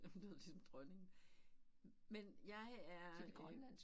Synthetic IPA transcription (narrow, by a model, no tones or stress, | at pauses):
æd̥ðˠlisɒ̽md̥ʁɶne̝ŋ̩ | menjɑ̈ɪæɐɡ̥læns